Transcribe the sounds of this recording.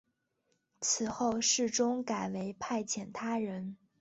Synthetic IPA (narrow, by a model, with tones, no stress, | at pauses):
t͡sʰɹ̩˨˩xo˥˧ʊʂɻ̩˥˩ʈ͡ʂʊ˥ŋka˨˩ɪwe˧˥ɪpʰa˥˩ɪt͡ɕʰjɛ˨˩nt̪ʰa˥ɻə˧˥n